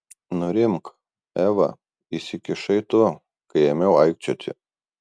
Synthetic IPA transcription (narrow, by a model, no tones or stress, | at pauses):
nʊɾʲɪmk | æːʋɐ̰ | isʲɪkʲɪʃɐɪt̪ʊ | kɐɪɛmʲɛʊɐɪkt͡ʃʲot̪ʲɪ̰